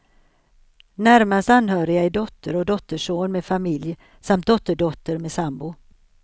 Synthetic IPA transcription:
næɾmast̪anːɦœːɾɪɡaɪɖ̪ɔt̪ʰːəɾɔd̪ɔt̪ːəʂoːnmeːd̪famɪlj | samt̪̚d̪ɔt̪ːəɖɔt̪ːəɾmeːsambʊ

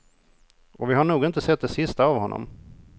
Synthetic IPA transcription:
ɔvɪɦaɳuːɡɪnt̪əsɛt̪̚d̪ɛsɪst̪aːvhɔnːɔ̰m

